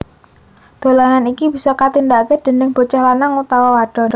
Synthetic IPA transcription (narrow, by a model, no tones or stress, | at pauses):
d̪̥o̤laŋanikib̥isɔkat̪ind̪aʔkəd̪̥ə̤nɪŋb̥o̤t͡ʃahlanaŋut̪awɔwaɖ̥ɔ̤